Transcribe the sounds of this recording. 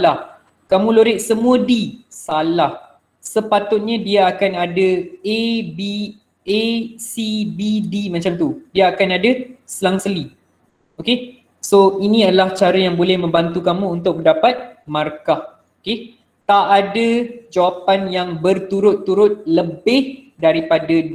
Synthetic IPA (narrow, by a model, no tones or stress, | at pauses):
lah | kamũloɾɪʔ̪̚səmũədisalah | səpat̪ʊt̪̚ɲadiaːkanadaebi | esibidimat͡ʃamt̪udiaːkanadasəlaŋsəli | oke | soinĩadalaht͡ʃaɾajaŋbolɛhmə̃mbant̪ukamũːnt̪ʊk̚pəndapat̪̚markah | oke | t̪aʔadad͡ʒawapanjaŋbərt̪uɾʊt̪ːuɾʊt̪̚ləbɪh | daɾipada